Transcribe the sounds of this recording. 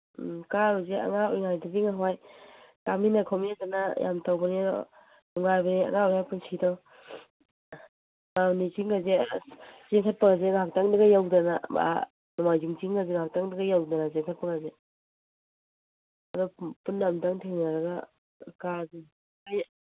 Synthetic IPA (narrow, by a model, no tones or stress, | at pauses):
kabazea̰ŋaɔjŋajdabiŋaɦwajtaminakʰɔmiazanaja̰mtawbaniadɔ̰ | dɔŋajbania̰ŋaɔjŋajpunsʰidɔ | manit͡ʃiŋɡaze | zeŋkʰat̚paŋazeɡaɦak̚taŋdaɡajawdanaba̰ | mamajzuŋt͡ʃiŋɡazeŋaɦak̚taŋdaɡajawdanazeŋkʰat̚paɡaze | ɐdɔpunːamdaŋtʰeŋnaɾɐɡa̰ | kazi | kaj